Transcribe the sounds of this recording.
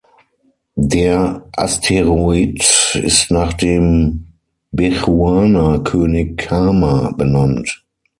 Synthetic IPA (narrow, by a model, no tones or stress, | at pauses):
deːɐʔastʰeʁoitɪ̰stnaːχd̥eːm | bɛʁuaːnɐkʰøːnɪkaːmabənant